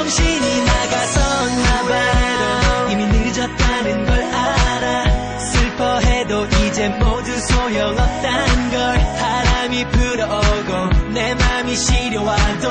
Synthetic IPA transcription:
ʌŋɕʰiɲinaɡasʰʌŋamaɦedoiminɯd͡ʑʌt̚t͈anɯnɡʌɭaɾa | sʰɯɭpʰʌɦe̞doʔid͡ʑe̞modusʰojʌŋʌp̚t͈anɯnɡʌɭsʰaɾamipɯɾʌɡonemamiɕʰiɾjowado

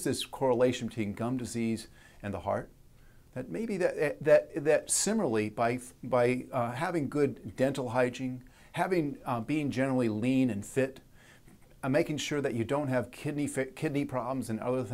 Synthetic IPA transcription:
zðɪskʰɔɹəleɪʃɨ̃n̩bɨtʰwĩmɡʌ̃mdɨziz | ɨ̃nðəhɑ̰ɹt̪̚ | ðɨt̚meɪbiðɨtðɨt̚ðɨtsɪ̃ml̩l̩ˠibaɪbaɪɦævɪ̃ŋɡʊdːɛ̃ntˡl̩ˠɦaɪd͡ʒɪ̃ŋ | hævɪ̃ŋbiɪ̃ŋd͡ʒɛnə˞l̩ˠilĩnɨ̃nfɪt | meɪkɪ̃ŋʃʊɹðɨt͡ʃɨdõʊ̃nt̚ɦɨv̥kʰɪdⁿnifkʰɪdⁿnipʰɹ̥ɑblm̩zɨ̃nʌ̰ðə˞θ

